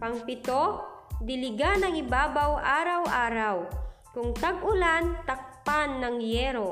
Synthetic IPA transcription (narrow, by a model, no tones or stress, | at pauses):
pɐŋpɪt̪od̪ɪlɪɡanɐŋɪbaːbawʔaːɾawʔaːɾaw | kʊŋt̪aɡʊlant̪ɐk̚panːɐŋjɛːɾo